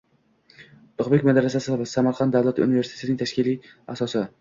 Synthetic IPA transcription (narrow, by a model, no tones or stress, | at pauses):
ʊχbekʲmad̪aɾasasɪvasamaɾqʰɑnt̪d̪avlˠat̪ʰɪṵnɪvesit̪ʰenɪŋʲt̪ʰaʃkʲɪli | asɒsɪ